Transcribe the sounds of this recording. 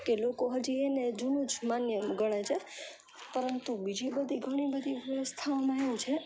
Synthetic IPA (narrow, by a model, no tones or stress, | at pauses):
kelokoɦəd͡ʒiened͡ʒunũt͡ʃmanjəmɡəɽ̃et͡ʃʰe | pəɾənt̪ubid͡ʒibəd̪ʱiɡʱəɽ̃ibəd̪ʱiʋjəʋəst̪ʰaʋmãeʋũt͡ʃʰe